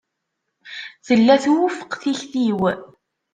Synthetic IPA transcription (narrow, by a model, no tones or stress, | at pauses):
θəlːæθwʊfə̥qθiçθiw